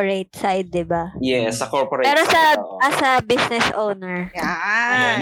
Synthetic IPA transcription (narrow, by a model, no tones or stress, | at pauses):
ɹet̪̚sajd̪̚ːɪbajɛsɐkoɹpoɾpɛːɾosɐɐsɐbisnɛsʔownɛɹa